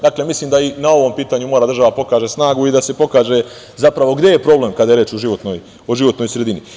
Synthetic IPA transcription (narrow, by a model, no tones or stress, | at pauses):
d̪akle̞misliːmd̪ainao̞ʋo̞mpiːt̪aɲumo̞ːɾad̪r̩ʒaʋapo̞kaːʒe̞snaːɡuid̪ase̞po̞kaːʒe̞ | zapɾaʋo̞ɡd̪e̞jepɾo̞ːble̞ːmkad̪ajeɾeːt͡ʃoʒiʋo̞t̪noːj | oʒiʋo̞t̪noːjsɾe̞d̪ini